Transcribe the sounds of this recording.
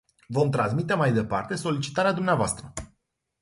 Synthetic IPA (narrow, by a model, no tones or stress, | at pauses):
vo̞mt̪ɾans̬mit̪e̞majd̪e̞pa̰rt̪e̞so̞lit͡ʃi̥t̪aɾead̪umneavoast̪ɾə